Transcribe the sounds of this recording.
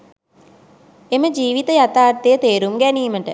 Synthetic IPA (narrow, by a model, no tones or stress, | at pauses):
eməd͡ʒiːʋit̪əjat̪aːrt̪ejət̪eːɾumɡæniːməʈə